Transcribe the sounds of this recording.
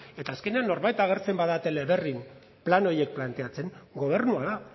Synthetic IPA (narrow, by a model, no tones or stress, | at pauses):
e̞t̪aːske̞ne̞anːo̞ɾβajt̪aɣ̞e̞ɾt͡se̞mbaðat̪e̞leβe̞rim | plano̞ɾje̞k̚plant̪e̞at͡se̞ŋɡo̞β̞e̞rnuaða